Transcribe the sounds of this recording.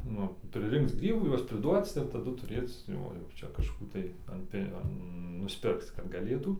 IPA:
nʊ pʲrʲɪˈrʲɪŋkt͡s ˈɡrʲiːbuː ˈjuɔs pʲrʲɪˈduɔt͡s ɪr tɐˈdʊ tʊˈrʲeːt͡s ˈjoː jɛʊ ˈt͡ʃʲɛ kɐʃˈkuː tɐɪ ɐn ˈpʲɪ ɐn nʊsʲˈpʲɪrkt͡s kɐt ɡɐˈlʲeːtuː

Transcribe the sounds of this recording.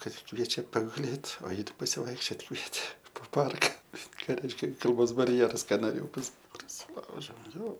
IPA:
ˈkɐt ˈkʋʲiɛt͡ʃʲɛ pɐɡʊˈlʲeːt oː ˈjɪ ˈtʲɪk pɐsʲɪʋɐɪkʃʲˈt͡ʃʲoːt ˈkʋʲiɛtʲeː poː ˈpɐrkɐ ˈkɑː ˈrʲɛɪʃʲkʲɛ kɐlˠˈboːs bɐrʲˈjæːrɐs ˈkɐ noːˈrʲeːjɛʊ pɐsɐ prɐsʲɪˈlˠɐʊʒʲɛʊ joː

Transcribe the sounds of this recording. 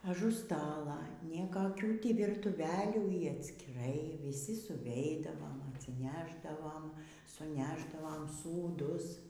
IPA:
ɐˈʒʊ ˈstɑːlˠɐ nʲiɛkɐˈkʲuː ˈtʲiː ʋʲiːrtʊˈʋʲæːlʲuː iː ɐtʲsʲkʲɪˈrɐɪ ʋʲɪˈsʲɪ sʊˈʋʲɛɪdɐʋoːm ɐtʲsʲɪˈnʲæːʒdɐʋoːm sʊˈnʲæːʒdɐʋoːm suːˈdʊs

